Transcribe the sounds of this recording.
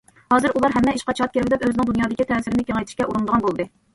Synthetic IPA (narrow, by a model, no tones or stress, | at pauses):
hɑːzɨɾulˠɑɾɦɛmːɛiʃqɑt͡ʃʰɑt̪̚kʰʲeɾbɪd̪ɛpøzɪnɪŋd̪unjɑːd̪ɪkʲit̪ʰɛːsɪɾɪnɪkʲeŋɛjt̪ʰɪ̥ʃkʲɛʔuɾund̪əʁɑnbolˠd̪ɨ